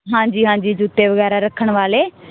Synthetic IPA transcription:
ɦãːɲd͡ʒiːɦãːd͡ʒiːd͡ʒuːt̪eːʋəɣɛːɾaːɾəkʰːəɳʋaːleː

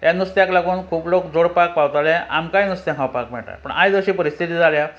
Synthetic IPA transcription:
janust̪jãklaɡuːnkʰuːplokd͡zoɽpak̚pawt̪alɛa̰mkajnust̪jãkʰawpakmɛɳʈa̰jpəɳa̰jd͡zəɕiːpəɾist̪ʰit̪iːd͡zʱalja

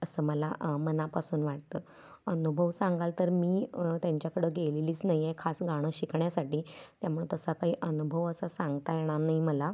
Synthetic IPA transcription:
əsəːməlamənapasuːnʋaʈ̚t̪əː | ənubʱəʋsaŋɡalt̪əɾmiːt̪jaɲt͡ɕjakəɽəɡeleliːt͡snaɦijekʰasɡaɽ̃əɕikɳjasaʈiːt̪jamuɭt̪əsakaɦiːʔənubʱəʋəsasãŋɡt̪ajeɽ̃anaiməla

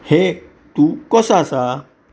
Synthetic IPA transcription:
he | t̪ukɔsasa

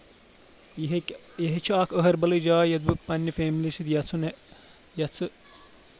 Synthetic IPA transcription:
jɐɦet͡ʃʰaːkəɦɐɾbɐlɐd͡ʒaːjɐd̪̚bɨpɐnːifeːmiliʃit̪jɐt͡sʰune | jɐt͡sʰɨ

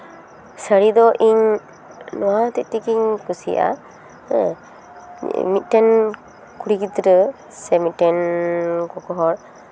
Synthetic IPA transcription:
səɽid̪ɔʔiɲ | nɔwat̪ɛʔ̪̚t̪ikiɲkusḭʔa̰ | mit̪̚ʈɛn | kuɽikit̪ɾə | sɛmit̪̚ʈɛnkɔkɔɦɔɾ̚

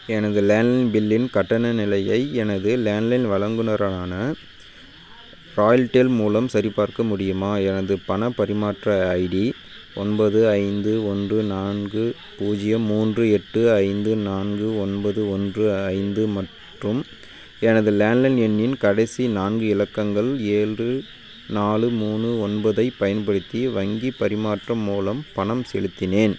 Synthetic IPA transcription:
ɛnɐðɯleːnlɐɪnbɪlːɪnkɐʈːɐnɐnɪlɐjɐɪɛnɐðɯleːnlɐɪnʋɐɭɐŋɡɯnɐɾaaːnɐ | ɾaːjɐlʈeːlmuːlɐmsɐɾipːaːɾkɐmʊɽɪjɯmaːɛnɐðɯpɐnɐpɐɾɪmaːʈrɐɐɪɽi | ɔnbɐðɯɐɪnd̪ɯɔndrɯnaːnɡɯ | puːd͡ʒɪjɐmuːndrɯɛʈːɯɐɪnd̪ɯnaːnɡɯɔnbɐðɯɔndrɯɐɪnd̪ɯmɐʈ | rɯm | ɛnɐðɯleːnlɐnɛnːɪnkɐɽɐɪsinaːnɡɯɪlɐkːɐŋɡɐɭeːɭrɯ | naːɭɯmuːnɯɔnbɐðɐɪpːɐjɐnpɐɽɯt̪ːiʋɐŋɡipɐɾɪmaːʈrɐmuːlɐmpɐɳɐmsɛɭɯt̪ːɪneːn

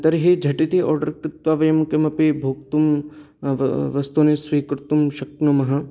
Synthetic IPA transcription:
t̪ɐɾɦed͡ʒʱɐʈit̪iʔɔ̰ːɾɖɐɾkɾɪt̪ʋaːʋɐjɐmkɐmɐpibʱoːk̚t̪um | ʋɐst̪unesɾiːkɾt̪umʃɐk̚nɐmɐɦɐ

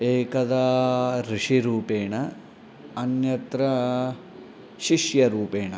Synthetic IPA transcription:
eːkɐd̪ɐɾiʂiɾuːpeːɳɐ | ɐnjɐt̪ɾɐ | ʃiʃjɐɾuːpeːɳɐ

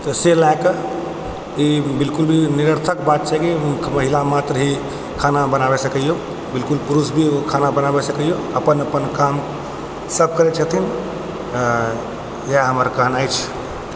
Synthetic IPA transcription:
t̪əselajkə | ibilkulbʱiniɾəɾt̪ʰəkbat̪̚t͡ʃʰakiməɦilamat̪ɾɦi | kʰanabənabesəkəjo | bilkulpuɾusbʱikʰanabənabesəkəjo | əpənəpənkam | səb̚ʱkəɾet͡ʃʰət̪ʰin | jaɦəməɾkaɦnajt͡ʃʰ

